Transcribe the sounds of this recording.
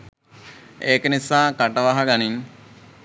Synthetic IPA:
eːkənisaːkaʈəʋaɦaɡaniŋ

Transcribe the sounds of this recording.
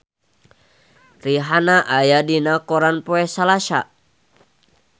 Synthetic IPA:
riɦanaʔajadinakɔɾanpɔɛsalaʃa̰

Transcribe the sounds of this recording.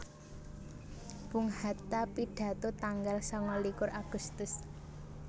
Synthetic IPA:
b̥ṳŋhat̪apiɖ̥ä̤t̪ot̪aŋɡalsɔŋɔlikʊraɡ̥ust̪ʊs

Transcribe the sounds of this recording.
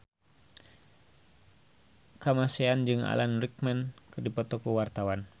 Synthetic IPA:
kamasɛand͡ʒɨŋa̰lanrik̚mɛnkɨrdipɔt̪ɔkuwart̪awan

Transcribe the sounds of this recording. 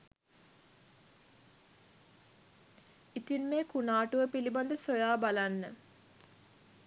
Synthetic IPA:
it̪inmeːkunaːʈuʋəpiliband̪əsojaːbalanːə

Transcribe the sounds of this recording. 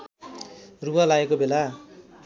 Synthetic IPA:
ruɦalaekobela

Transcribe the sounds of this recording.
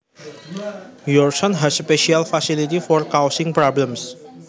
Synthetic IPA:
jɔrsɔ̃nɦɛsspeʃialfasilit̪ifɔrkawsɪ̃ŋpɾɔblə̃ms

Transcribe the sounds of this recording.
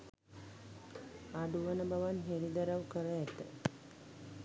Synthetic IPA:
aɖuʋənəbaʋanɦeɾid̪aɾaʋkəɾəæt̪ə

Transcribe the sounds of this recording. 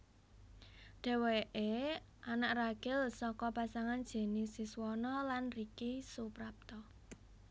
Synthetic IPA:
ɖ̥ɛ̤weʔe | ʔanaʔraɡ̥ɛ̤lsɔkɔpasaŋand̥d͡ʒ̥e̤nisiswɔnɔlanrikisupɾap̚t̪ɔ

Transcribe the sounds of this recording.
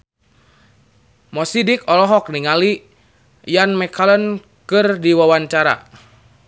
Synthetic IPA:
mɔsidikɔlɔɦɔk̚niŋali | janmɛkalən | kɨrdiwawaɲt͡ʃaɾa̰

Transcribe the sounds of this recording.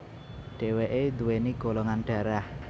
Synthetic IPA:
ɖ̥e̤weʔed̪uweniɡ̥olɔŋanɖ̥ä̤ɾah

